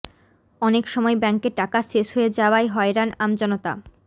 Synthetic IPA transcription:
ɔnekʃɔmɔebɛŋkeʈakaʃeʃɦoed͡ʑaoaeɦɔeɾanamd͡ʑɔnot̪a̰

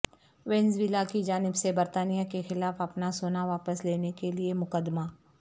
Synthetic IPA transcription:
ʋɛ̃nzʋilakid͡ʒaːnɪbsebɐɾt̪aːnijakexɪlaːfɐpnasoːnaʋaːpəsleːnekeliemʊkəd̪maː

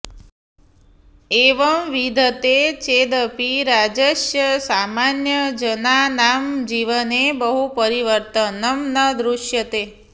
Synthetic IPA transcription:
eʋəmʋid̪ʱət̪et͡ʃed̪əpiɾad͡ʒeʃjəsamanjəd͡ʒənanamd͡ʒiʋənebəɦupəɾiʋəɾt̪ənəmnəd̪ɾuʃjət̪e

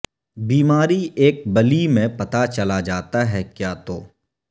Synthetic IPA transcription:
biːmaːɾieːk̚bɐlimẽpɐt̪at͡ʃɐlad͡ʒaːt̪aɦɛkjaːt̪oː

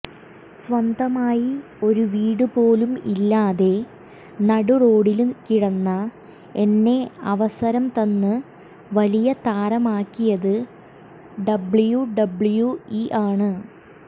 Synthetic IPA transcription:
sʋɐnd̪ɐmaːji | o̞ɾuʋiːɽɨpoːlumḭlːaːðe̞ | nɐɽuro̞ːɽilumkiɽɐnːɐ | e̞nːe̞ɐʋɐsɐɾɐmt̪ɐnːɨ | ʋɐlijɐt̪aːɾɐmaːkːijɐðɨ | ɖɐbɭjuɖɐbɭjuiʔaːɳɨ

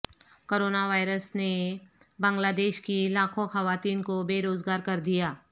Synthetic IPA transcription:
koːɾoːnaʋaːɪɾəsne | bãːŋɡlaːd̪eːʃkilaːkʰõxɐʋaːt̪iːnkobeːɾoːzɡaːɾkɐɾd̪ijaː

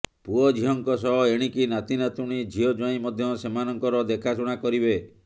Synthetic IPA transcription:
puɔd͡ʒʱiɦɔŋkɔsɔɦɔeɽ̃ikinat̪inat̪uɽ̃id͡ʒʱiɔd͡ʒaĩmɔd̪ʱjɔsemanɔŋkɔɾɔd̪ekʰasuɽ̃akɔɾibe

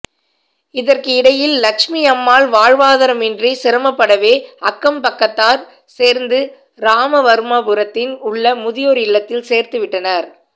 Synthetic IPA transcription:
ɪðɐrkɯɪɽɐjɪlːɐkʂmijɐmːaːɭʋaːɻʋaːðɐɾɐmɪndrisɪɾɐmɐpːɐɽɐʋeːɐkːɐmpɐkːɐt̪ːaːɾ | seːɾnd̪ɯ | ɾaːmɐʋɐɾɯmɐpɯɾɐt̪ːɪnʊɭːɐmʊðɪjoːɾɪɭːɐt̪ːɪlseːɾt̪ɯʋɪʈːɐnɐɾ

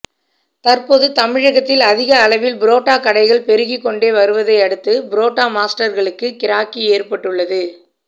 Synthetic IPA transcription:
t̪ɐrpoːðɯt̪ɐmɪɻɐɣɐt̪ːɪlɐðɪɣɐːɭɐʋɪlbɪɾoːʈːaːkɐɽɐɪɣɐɭpɛɾɯɣɪkːɔɳɖeːʋɐɾɯʋɐðɐɪɐɽɯt̪ːɯbɪɾoːʈːaːmaːsʈɐɾɣɐɭɯkːɯkɪɾaːkːieːrpɐʈːɯɭːɐðɯ

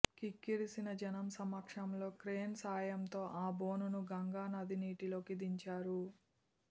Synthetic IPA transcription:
kikːiɾisinɐd͡ʒɐnɐmsɐmɐkʂɐmlo̞ːkɾeːnsaːjɐmt̪o̞ːʔaːbo̞ːnunuɡɐŋɡaːnɐd̪iniːʈilo̞ːkid̪iɲt͡ʃaːɾu

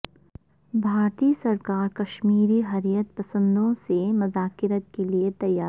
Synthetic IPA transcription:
bʱaːɾt̪iːsɐɾkaːɾkɐʃmiːɾiɦɐɾijət̪pɐsə̃nd̪ʱõsemɐzaːkɪɾət̪̚keliet̪ɐjaː

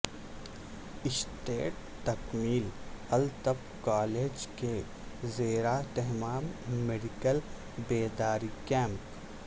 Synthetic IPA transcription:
ɪsʈeːʈ̚ | t̪ɐkmiːlɐlt̪əb | kaːleːd͡ʒke | zeːɾaʈ̪ɛɦmaːmːeɖɪkəl | beːd̪aːɾikɛ̃ːmp

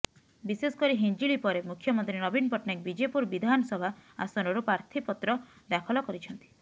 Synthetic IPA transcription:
bisesɔ̥kɔɾiɦind͡ʒiɭipɔɾemukʰːjɔmɔnt̪ɾinɔbinpɔʈnak̚bid͡ʒepuɾbid̪ʱanɔsɔbʱaa̰sɔɾɔɾupɾaɾt̪ʰipɔt̪ɾɔ | d̪akʰɔlɔkɔɾit͡ʃʰɔnt̪i̥

